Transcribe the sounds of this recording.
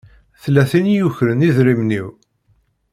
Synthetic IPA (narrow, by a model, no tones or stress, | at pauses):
θlːæθinjuçɾəniðɾimniw